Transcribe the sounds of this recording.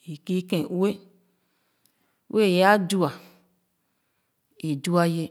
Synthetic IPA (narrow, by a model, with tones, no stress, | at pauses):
i˨ki˦kẽ˨˦e˦ | wʔe˦˨ja˦du˦a˨ | e˨du˦a˦je˦